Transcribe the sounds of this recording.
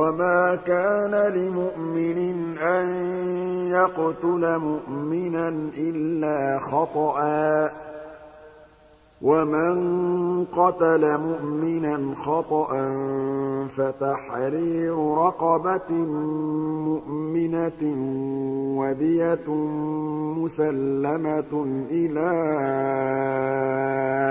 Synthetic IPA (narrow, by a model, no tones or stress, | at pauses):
wamaːkaːnalɪmʊʔmɪnɪnʔanjɑqt̪ʊlamʊʔmɪnanʔɪlːaːxɑt̪ˤɑʔaː | wamɪnqɑt̪alamʊʔmɪnanxɑt̪ˤɑʔanfat̪aħɾiːɾʊɾˤɑqɑba | mʊʔmɪna | wad̪ɪja | mʊsalːamaʔɪlaː